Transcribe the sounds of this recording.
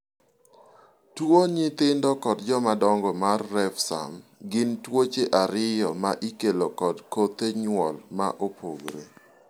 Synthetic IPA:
twoɲɪt̪ɪndɔkɔd̚d͡ʒɔmadɔŋɡɔmarːɛfsa̰mɡɪntwot͡ʃeʔaɾɪjɔmaʔikelokɔdkot̪eɲwɔlma̰ʔopʰoɡɾḛ

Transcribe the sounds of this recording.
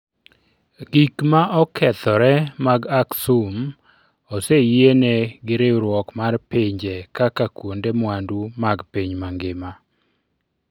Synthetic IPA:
ɡikmaʔɔkʰɛt̪ɔɾɛmaɡaksum | ɔsejeneɡɪɾeɾwɔkmarpeɲd͡ʒekakakwondemwandumaɡpeɲmaŋɡema

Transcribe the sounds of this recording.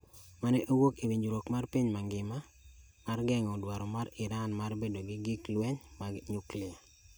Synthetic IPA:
manɛʔowokiwiɲd͡ʒuɾokmarpiɲmaŋɡɪma | marɡɛŋɔdwaɾɔmaɾɪɾanmarbedoɡɪɡɪklwɛɲmaɲuklɪa

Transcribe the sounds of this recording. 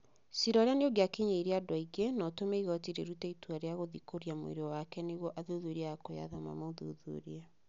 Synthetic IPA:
siɾɔɾeaneoɡeakeɲeiɾeadwaiɡenɔtomeiɣɔtiɾeɾutɛituaɾeaɣoðikoɾiamwḛɾeɔwakɛneɣwɔʔaðoðueɾiaakoja̰ðama̰moðo̰ðo̰ɾia

